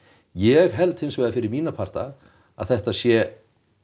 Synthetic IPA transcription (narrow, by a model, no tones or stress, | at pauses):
jɛɣɦɛlt̪hɪnsvɛːðafɪɾɪɾmiːnapʰaɾ̥t̪a̰ | a̰ðθɛht̪asjɛ